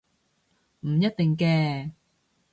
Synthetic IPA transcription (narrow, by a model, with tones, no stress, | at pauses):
m̩˨˩jɐ˥t̚t̪ɪ˨˩ŋkɛː˧